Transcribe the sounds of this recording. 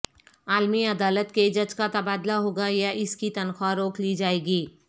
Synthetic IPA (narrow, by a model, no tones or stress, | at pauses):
aːlmiɐd̪aːlət̪ked͡ʒɐd͡ʒkat̪ɐbaːd̪laɦoːɡajaʔɪskit̪ɐnxaɾoːklid͡ʒaːeːɡiː